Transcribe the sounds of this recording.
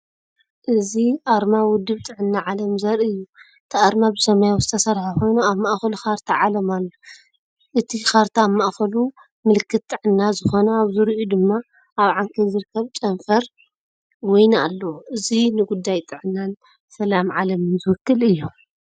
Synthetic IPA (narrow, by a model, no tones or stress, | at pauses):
ʔɨziʔaɾmawʊd̪ːɨβt̪ʼɨʕɨnːaʕalɐmzɐɾɨjːu | ɨt̪ʰiʔaɾmabɨsɐmajawzɨt̪ʰɐsɐɾħaxo̞jnuaβmaʔxɐluxaɾt̪ʰaʕalɐmalːo | ʔɨt̪ʰixaɾt̪ʰaaβmaʔxɐlu | mɨlɨkʰːɨt̪̚t̪ʼːɨʕɨnːazɨxo̞nɐaβzɨɾʔud̪ɨmːa | aβʕaŋkʰɐzɨɾkʰːɐβt͡ʃʼɐnfɐɾ | wɔjna̰lːɐwʔɨzinɨɡud̪ːajt̪ʼɨʕɨnːan | sɐlamʕalɐmɨnzɨwɨkːɨlɨjːu